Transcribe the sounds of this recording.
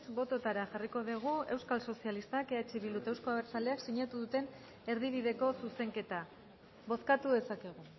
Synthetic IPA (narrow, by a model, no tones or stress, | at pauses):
sbo̞t̪o̞t̪aɾaʝariko̞ðiɣ̞ue̞wskalso̞sialist̪akeat͡ʃiβilut̪ewsko̞aβeɾt͡sald̪eaksiɲat̪uðut̪e̞n | e̞ɾðiβiðe̞ko̞suse̞ŋke̞t̪a | βo̞skat̪uðe̞sake̞ɣ̞u